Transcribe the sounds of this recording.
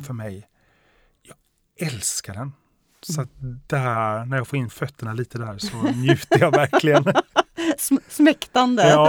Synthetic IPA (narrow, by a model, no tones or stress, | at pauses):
fœɾmɛj | jɑːɡ | ɛlskaɖɛn | sɔat̪d̪̥æænæɾjɑːɡfoːɾɪnːfœt̪ʰːəɳaliːt̪əd̪æːɾsɔnjʉ̟ːt̪əɾjɑvæɾklɪɡən | ssmɛkt̪and̪əː